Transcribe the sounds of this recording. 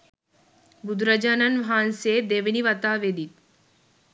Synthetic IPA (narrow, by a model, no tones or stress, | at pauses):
bud̪ɾɐd͡ʒɐnɐnʋɦaːnseːd̪eʋiniʋɐt̪aːʋed̪it̪̚